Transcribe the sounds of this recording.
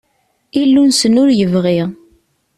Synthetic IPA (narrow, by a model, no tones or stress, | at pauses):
ilːunsənʊɾjəvʁiʁ